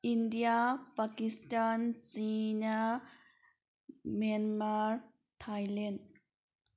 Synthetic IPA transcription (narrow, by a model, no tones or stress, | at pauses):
ʔindiapakistansina | manmaɾ | tʰajlɛn